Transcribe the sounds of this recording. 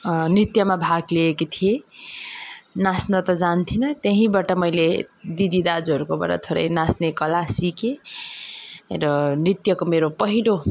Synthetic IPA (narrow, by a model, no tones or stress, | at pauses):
nrit̪jʌmabʱaɡleːket̪ʰije | nasnʌt̪ʌd͡zant̪ʰinʌt̪eɦĩbaʈʌmʌjled̪id̪id̪ad͡zuɦʌɾukoba̰ɽa̰t̪ʰoɽʌ̰jnasnekʌlasike | ɾʌnrit̪jʌkomeɾopʌɦiɽo